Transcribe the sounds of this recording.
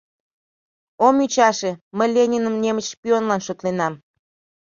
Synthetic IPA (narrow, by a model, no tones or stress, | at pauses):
omyt͡ɕɑʃeməlʲenʲinəmnʲemət͡ɕpʲionlɑnʃot̪lenɑm